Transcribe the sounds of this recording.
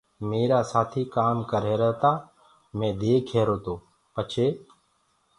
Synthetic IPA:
meːɾaːsaːt̪ʰiːkaːmkəɾeːɾəɦt̪aː | mẽːd̪eːkʰeːɾoːt̪oː | pət͡ʃʰeː

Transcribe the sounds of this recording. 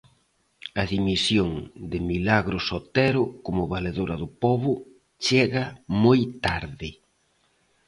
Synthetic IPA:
ɐðimisjoŋd̪ɪmilaɣɾʊsot̪ɛɾʊkomʊβaleðoɾɐðʊpɔβʊ | t͡ʃɛɣɐmojt̪aɾðɪ

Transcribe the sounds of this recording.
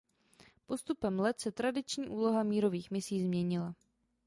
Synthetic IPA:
po̞st̪upɛmlɛt̪sɛt̪ɾadɪt͡ʃɲiːʔuːlo̞ɦamiːɾo̞viːxmɪsiːzmɲɛɲɪla

